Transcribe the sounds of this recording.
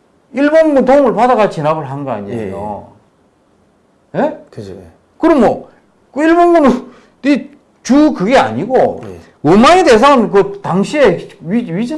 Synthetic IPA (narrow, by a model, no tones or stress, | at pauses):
iɭbonɡuntoŋɯɭpadaɣat͡ɕinabɯɭɦanɯɡʌa̰ɲiḛjo̰ | je̞ | kɯɾʌmwʌ | kiɭbonɡunɯ | i | t͡ɕukɯɡe̞a̰ɲiɡo | ɯmaŋedeːsʰʌɯnkɯtaŋɕʰie̞ɥiɥid͡ʑi